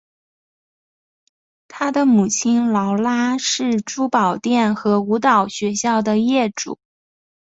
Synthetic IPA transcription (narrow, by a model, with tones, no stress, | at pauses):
t̪ʰa˥d̪ə˨mu˨˩t͡ɕʰi˥nlɑ˧˥ʊla˥ʂɻ̩˥˩ʈ͡ʂu˥pɑ˨˩ʊt̪jɛ˥˩nxɤ˧˥u˧˥t̪ɑ˨˩ʊɕɥɛ˧˥ɕjɑ˥˩ʊd̪ə˩jɛ˥˩ʈ͡ʂṵ˨˩˦